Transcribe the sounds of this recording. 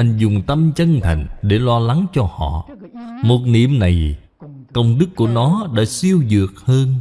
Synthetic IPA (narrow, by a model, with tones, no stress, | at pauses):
ʔa˧jŋzʊ˨˩ŋ͡mt̪ə˧mt͡ɕə˧nt̪ʰa̰˨˩jŋ̟ɗe˧˩lɔ˧la˨˦ŋt͡ɕɔ˧hɔ̰˧˨mo˨˩t̚nḭ˧˨əmna˨˩j | kə˧wŋ͡mɗɨ˦˥kːu˧˩ənɔ˨˦ɗa̰ː˧˥si˧əwzɨ˨˩ək̚həː˧n